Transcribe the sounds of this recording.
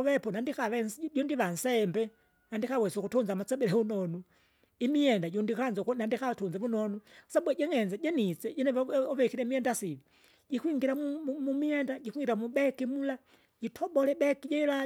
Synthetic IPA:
ʋɛpɔnandikaʋɛsɟɔndiʋansɛmbɛ | nandikawɛsɔkutɔnzamat͡sɛbɛɾɛunɔnu | imiɛndaɟɔndikanzɔknandikatunzɛβunɔnusabwɛɟɛŋɛnaɟɛnit͡sɛɟɛnɛβɔβɛkiɾɛmiɛndasiβi | ɟikwiŋɡiɾamumumiɛndaɟikuiŋɡiɾamuɓɛkimula | ɟitʰɔbɔlɛbɛkiɟɛila

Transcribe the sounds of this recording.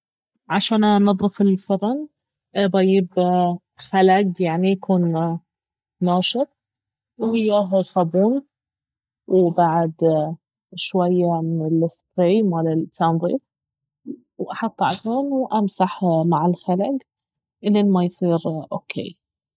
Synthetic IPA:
ʕaʃaːnʔanɨðˤːɨfɪlfʊɾɑn | bˤɑjɪb | xalaɡjaʕnijakʰuːn | aːʃɨt̪̚ˤ | whɪjːaːɦsˤɑbuːn | wbaʕd̪ | ʃwajːamɪnɪlːɪspɾeːmalɪt̪ʰːanðˤḭːf | wʔɑħɑt̪ˤːʕafɑnwʔamsaħmaʕɪlxalaɡ | ʔɪlʔɪnmajsˤiːɾʔoːkʰḛː

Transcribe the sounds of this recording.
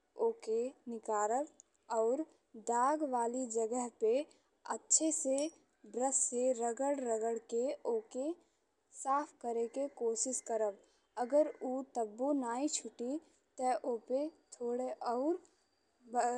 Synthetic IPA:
oːkenɪkaːɾəɾ | ɔːɾ | d̪aːɡʋaːlid͡ʒəɡəɦpe | ətːʃʰese | bɾəsːeɾəɡəɽɾəɡəɽkeoːke | saːpʰkəɾekekoːʃɪʃkəɾəb | əɡəɾut̪əbːunaːit͡ʃʰʊʈi | t̪əʔoːpet̪ʰoːɽeʔɔːɾ | b

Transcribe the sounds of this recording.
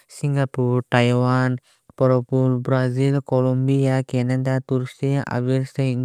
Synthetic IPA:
sĩŋɡapuɾʈajʋaːn | pɔɾopuɾbɾaːzilkolɔmbijakenəd̪at̪uɾsiʔa̰ʋiɾsɐ

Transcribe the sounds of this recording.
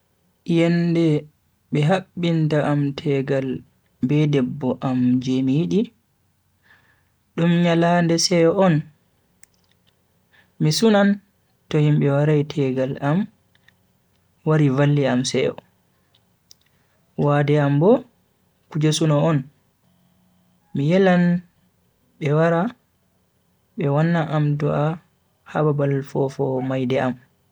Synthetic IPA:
jɛndɛ | ɓɛɦaɓːintaʔamtʰɛɡal | bɛdɛbːɔʔamd͡ʒɛmijiɗi | ɗumɲalandɛsɛjɔɔn | misunan | tɔhimɓɛwaɾajtʰɛɡalam | waɾivalːiamsɛjɔ̰ | wadɛambɔ | kud͡ʒasunɔːn | mijɛlan | ɓɛwaɾa | bɛwanːaʔamdɔʔa | ha̰babalfɔfɔmajdɛʔam

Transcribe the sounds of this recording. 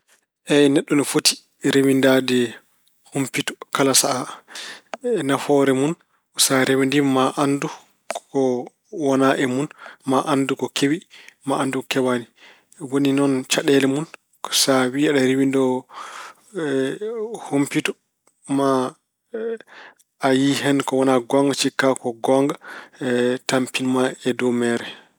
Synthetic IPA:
ʔɛnɛɗːɔnɔfoti̥ | ɾewindadɛ | humpitɔ̥kalasaʔa | nafɔɾɛmun | saɾɛwandimaʔandu | kɔ | wanaʔɛmunmaʔandukɔkʰewimaʔandukkɛwani | woninɔnt͡ʃaɗɛlɛmun | kɔ̥sawiaɗaɾiwindɔ | hompitɔ̥ | ma | ajiɦɛnkɔwɔnaɡɔŋɡat͡ʃikːakɔɡɔŋɡa | tampinmaɛdɔmɛɾɛ

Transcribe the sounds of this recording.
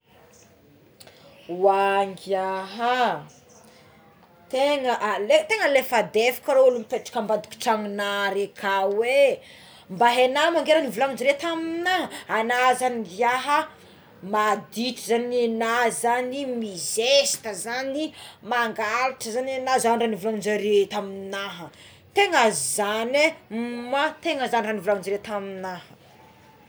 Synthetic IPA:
waŋɡaɦa | t̪eŋəʔlet̪eŋəlefad̪efi̥kʲaɾoulumipeʈ͡ʂḁkəmbad̪u̥kʲi̥ʈ͡ʂaŋinaɾekʰawe | mbaɦenamaŋɡeɾanivulaŋid͡ʒiɾet̪aminaanazaniɡjaɦə | mad̪iʈ͡ʂəzanenazanimizesi̥t̪əzanimaŋɡalaʈ͡ʂəzanenazanranivulamund͡ʒaɾet̪amiinaɦə | t̪eŋazizanemat̪eŋəzaniranivulamund͡ʒɾet̪aminahə

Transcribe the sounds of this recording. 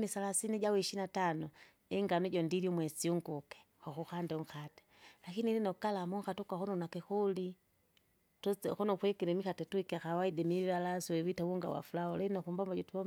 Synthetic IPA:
nisalasiniɟawiʃinatanɔ | ɛŋɡanɛɟɔndiɾjɔmwɛsiuŋɡukɛ̥ | hɔxuxandɛuŋxatɛ̥ | lakinilinɔkalamuŋxatukaxɔnɔnakɛxuli | tut͡sxɔnɔkwɛkɛɾɛmixatɛtuikɛaxawaidɛmiβalasɔɛwitawuŋɡa̰wa̰fulaɔlɛnɔxumbambaɟɔtuwa

